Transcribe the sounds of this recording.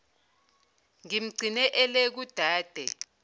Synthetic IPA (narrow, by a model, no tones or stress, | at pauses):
ŋim̩ɡ͡ǀʱinɛʔɛlek̬ud̥ʱaːd̥ʱɛ